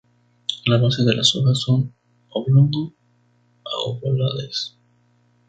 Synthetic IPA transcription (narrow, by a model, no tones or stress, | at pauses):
laβoseðelasoɣasːon | oβlund̪o | a̰o̰βolaðes